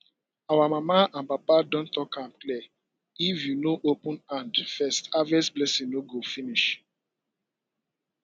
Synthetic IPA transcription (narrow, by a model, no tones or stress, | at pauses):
awamamaãnpapadɔ̃ntɔkãmklɛ | ifjunoʔopũnãndfɛstavɛsblɛsĩnoɡofiniʃ